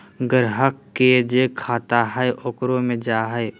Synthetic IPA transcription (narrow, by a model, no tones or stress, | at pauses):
ɡəɾɦəkːed͡ʒekʰaːt̪aɦɛeʔʊkɾõmẽd͡ʒaːɦɛe